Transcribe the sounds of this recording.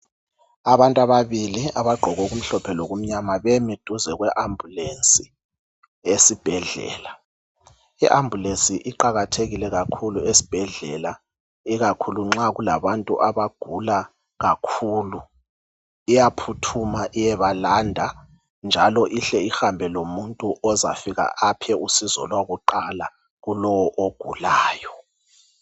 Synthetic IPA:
aβantʼaβaβiliaβaɡ͡ǃʱɔɣɔɣum̩ɬɔpʰɛlɔɣum̩ɲamaβemid̥ʱuzɛɣwɛʔambʱulensi | esib̥ʱɛɮɛ̰ːla | iʔambʱulensiʔiǃaɣatʰeɣilɛɣakʰuluesi̥b̥ʱɛɮɛla | iɣakʰuluŋ͡ǁaɣula̰βantʼṵʔaβaɡ̥ʱula | ɣakʰuːlu | ijapʰutʰumaʔijɛβalandʱa | nd͡ʒʱalɔʔiɬɛixambʱɛlomuntʼuʔɔza̰fiɣa̰ʔapʰɛusizɔ̰lwaɣuǃala | ɣulɔwɔʔoɡ̥ʱṵlaːjɔ

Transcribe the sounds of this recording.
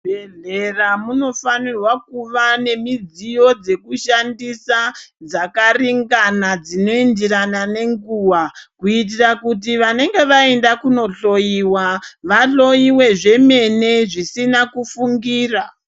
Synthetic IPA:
bʱeɮe̞ramuno̞fanirwakuʋane̞mid͡zijo̞d͡ze̞kuʃandisad͡zakariŋɡanad͡zino̞indiranane̞ŋɡuːwakuit̬irakut̬iʋane̞ŋɡe̞ʋae̞ndakuno̞ɬo̞jiwaʋaɬo̞iwe̞ʐe̞me̞ne̞ʐisinakufuŋɡiːra

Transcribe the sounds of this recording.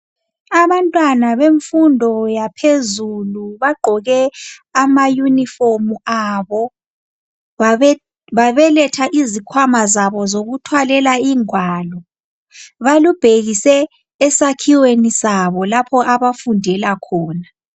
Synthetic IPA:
aβantʼwanaβeɱfundʱɔjapʰezuluβaɡ͡ǃʱɔɣɛamajuniformuaβɔ | βaβɛlɛtʰaʔizikʰwamazaβɔzoɣutʰwalɛlaiːŋwaːlɔ | βalub̥ʱeɣisɛː | sakʰiwenisaβɔlapʰɔʔaβafundʱɛlakʰɔːna

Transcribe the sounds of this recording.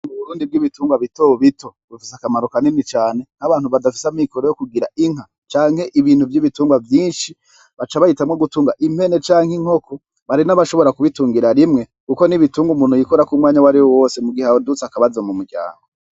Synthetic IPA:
muβuɾuːndib̚ɡiβituːŋɡwaβitoβitʰo̞bufisakamaɾo̞kaninit͡ʃaːne̞n̥haβaːn̥huβadafi̥samikoɾojokuɡiɾa̰iŋ̥ɦa | t͡ʃaːŋ̥he̞ʔiβiːn̥huvjiβituːŋɡwavjiːnʃi | βat͡ʃaβahitamŋoɡutuːŋɡaʔim̥e̞ne̞t͡ʃaːŋhiŋ̥o̞kʰo̞ | βaɾinaβaʃo̞βo̞ɾakuβituːŋɡiɾaɾimŋe̞ | kuko̞niβituːŋɡumuːn̥hujikoɾakumŋaːɲawaɾiwowo̞ːsemuɡihawodut͡sakaβazomumuɾɟa̰ːŋɡo

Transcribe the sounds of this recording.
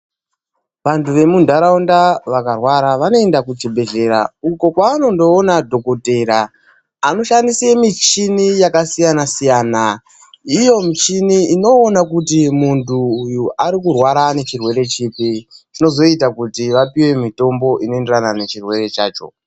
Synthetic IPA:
ʋantuʋe̞mundʱaɾaundaʋakarwaɾaʋano̞e̞ndakut͡ʃibʱe̞ɮe̞ɾa̰uko̞kwaːno̞ndo̞ːnadʱo̞kote̞ɾaː | no̞ʃandisemit͡ʃinijakasijanasijaːna | ijo̞mit͡ʃiniino̞ːnakutimuntʰuːjuʔaɾikurwaɾane̞t͡ʃirwe̞ɾe̞t͡ʃipit͡ʃino̞zo̞itakutiʋapiwe̞mito̞mbo̞ʔinoe̞nderanane̞t͡ʃirwe̞re̞t͡ʃa̰ːt͡ʃo̞̰

